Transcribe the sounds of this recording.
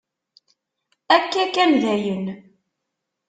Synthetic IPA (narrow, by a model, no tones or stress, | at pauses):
ækːækːænðæjən